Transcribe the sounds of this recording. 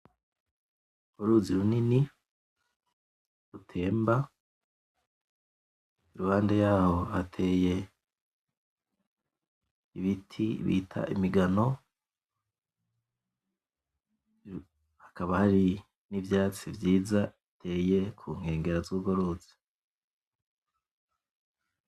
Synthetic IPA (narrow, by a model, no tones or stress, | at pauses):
uɡoɾuziɾunini | ɾutʰe̞ːmba | iɾuhaːnde̞jaːho̞hatʰe̞ːje̞ | iβitʰiβḭːtʰa̰ʔḭmiɡano̞ | hḁkaβahaɾi | nivjaːt͡sivjiːzaitʰe̞ːje̞kʰuŋ̥he̞ːŋɡe̞ɾazuɡoɾut͡se̥